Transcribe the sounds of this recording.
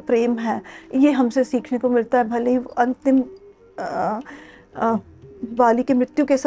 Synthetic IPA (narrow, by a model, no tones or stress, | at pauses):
pɾeːmɦɛːjeɦɐmsesiːkʰnekomɪlt̪aɦɛbʱɐleɦiʔɐ̃nt̪ɪm | ʋaːlikemɾɪt̪jukes